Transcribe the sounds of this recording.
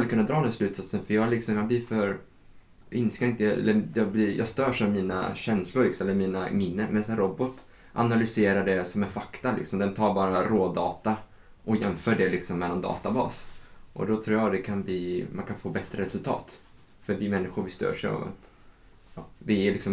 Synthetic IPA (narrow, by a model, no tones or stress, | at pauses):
alːəkɵnad̪ɾɑːnɛnslʉ̟ːt̪sat̪sənfœjɑːlɪksɔmjɑːblɪfœɾ | ɪnskaɾɪnt̪əjɛ̰lːəjɑblɪjʔɑ̰st̪øːʂavmiːna̰ɕɛnslʊɾɭɪksɔmɛlːəɾmiːnamɪnːənmɛnsɛnɾɔbɔt̪ː | ʔanalʏseːɾaɖɛsɔmɛnfakt̪alɪ̰ksɔmd̪ɛnt̪ʰɑːɾbɑːɾaɾoːd̪ɑːt̪a | ʔɔjɛmfœːɖɛlɪksɔmːɛlːand̪ɑ̰ːt̪abɑ̰ːsʔɔ̰d̪ɔt̪ʰɾuːjɑɡd̪ɛkʰanbɪmankʰanfoːbɛt̪ɾəɾɛsɵlt̪ʰɑ̰ːt̪ | fœɾbɪmɛnːɪɧʊɾvɪst̪œ̰ːʂɛ̰a̰va̰t̪ | ɑːd̪ɪɛlɪksɔm